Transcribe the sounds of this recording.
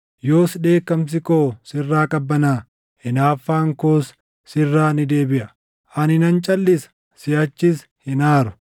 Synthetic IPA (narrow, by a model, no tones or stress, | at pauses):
jo̞ːsᶑe̞ːkːɐms̬ɪkoːsɪrːaːkʼɐbːɐnaː | hɪnaːfːaːŋkoːsː | ɪrːaːnɪd̪e̞ːbɪʔɐ | ʔɐnɪnɐnt͡ʃʼɐlːɪsɐ̥ | sɪʔɐt͡ʃːɪs | hɪnaːɾʊ̥